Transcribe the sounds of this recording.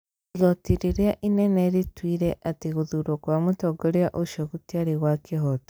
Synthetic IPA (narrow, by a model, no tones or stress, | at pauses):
iɣotiɾiɾjaʔineneɾitwiːɾeʔatiɣuðuɾokwamutoɡoɾiaʔoʃoɣutjaɾiɣwakiɦoto̥